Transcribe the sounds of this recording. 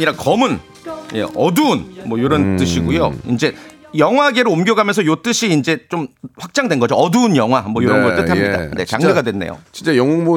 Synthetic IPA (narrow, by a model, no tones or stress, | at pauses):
ɲiɾakʌmɯn | je̞̰ʌduːnmwʌjoɾʌnt͈ɯɕʰiɡujoind͡ʑe̞ | jʌŋɦwaɡe̞ɾɯomɡjʌɡamjʌnsʰʌjot͈ɯɕʰiːnd͡ʑe̞t͡ɕomɸwak̚t͡ɕ͈aŋdwenɡʌd͡ʑoʌdunjʌŋɦwamwʌjoɾʌbotɯtʰamɲida̰ne̞̰t͡ɕaŋɡɯɡadwe̞nːejo̰t͡ɕint͡ɕ͈ajʌŋuŋbu